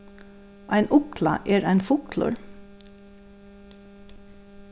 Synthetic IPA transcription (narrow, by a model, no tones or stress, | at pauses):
ʔæɪnʔʊkʰlɑ̰ʔeːɾæɪnfʊkʰlʊ̰ɾ